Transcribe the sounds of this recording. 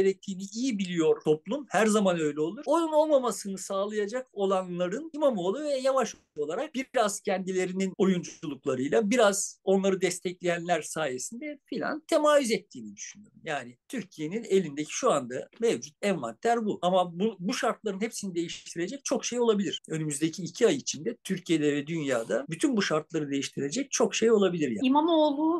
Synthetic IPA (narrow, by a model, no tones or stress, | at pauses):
ɟeɾɛc̚t̪ʰiːniijibilʲijo̞ɾt̪ʰo̞plˠumhæɾzamanø̞jlʲɛo̞lˠuɾo̞nuno̞lˠmamasɯnɯsaːlˠajad͡ʒako̞lˠanlˠaɾɯnimamolˠuvɛjavaʃouo̞lˠaɾak̚b̥iɾaz̥cʰɛnd̪ilʲe̞ɾinino̞jund͡ʒuulˠuklˠaɾɯjlˠabiɾazo̞nlˠaɾɯd̪ɛst̪ʰɛclʲejænlʲæɾsaːje̞sind̪ɛfilʲa̰nt̪ʰemaːvyzɛt̪ʰːiːnid̪y̥ʃynøɾmjaːnit̪ʰyɾcʰije̞ninelʲind̪ecʰi̥ʃuand̪amevd͡ʒut̪̚ʰɛvma̰nt̪ʰːæɾbuamabubuʃaɾt̪lˠaɾɯnhepsinid̪e̞jiʃt̪ʰiɾe̞d͡ʒɛc̚t͡ʃʰo̞kʃejo̞lˠabilʲiɾ̥ø̞nymyzd̪ecʰiːcʰiajit͡ʃʰind̪ɛt̪ʰyɾcʰije̞d̪ɛvɛd̪ynjaːd̪abyt̪ʰynbuʃaɾt̪lˠaɾɯd̪e̞jiʃt̪ʰiɾe̞d͡ʒɛc̚t͡ʃʰo̞kʃejo̞lˠabilʲiɾja̰imamolˠuː